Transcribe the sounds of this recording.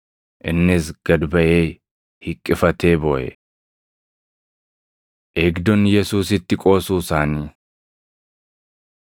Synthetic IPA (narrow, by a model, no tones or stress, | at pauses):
ʔɪnːɪsɡ̥ɐd̪bɐʔeː | hɪkʼːɪfɐt̪e̞ːboːʔɛ̰ | ʔeːɡd̪ɔnjɛsuːsɪt̪ːɪkʼo̞ːsuːsaːniː